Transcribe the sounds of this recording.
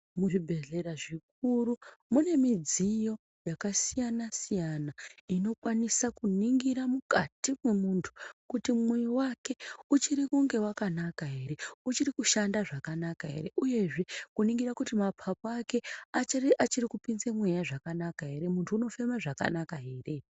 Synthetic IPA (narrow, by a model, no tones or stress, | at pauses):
muʐibʱe̞ɮe̞ɾaʐik̚uɾumune̞mid͡zijo̞ | jakasijanasijanaino̞kwanisakuniŋɡiɾamukatimwe̞muntʰu̥kutimwewake̞ut͡ʃiɾikuŋɡe̞wakanakaɦe̞ɾe̞ut͡ʃirikuʃandaʐakanakaɦe̞̰ɾe̞ʔuje̞ʐe̞kuniŋɡiɾakutimapʰapoake̞at͡ʃiʔat͡ʃirikupinzemwejaʐakanakaɦe̞ɾe̞muntʰuːno̞fe̞maʐaka̰nakaɦe̞re̞